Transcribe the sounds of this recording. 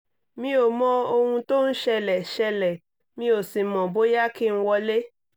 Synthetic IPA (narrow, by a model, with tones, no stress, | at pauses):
mĩ˧˦o˨mɔ̃˦o˧hũ˧to˦n̩˦ʃɛ˧lɛ˨ʃɛ˧lɛ˨ | mĩ˧˦o˨si˨mɔ̃˨bo˨˦ja˦ki˦n̩˦wɔ˧le˦